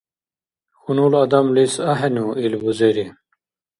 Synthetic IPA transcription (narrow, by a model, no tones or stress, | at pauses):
xunulɐd̪ɐmlisɐɦenuilbuzeɾi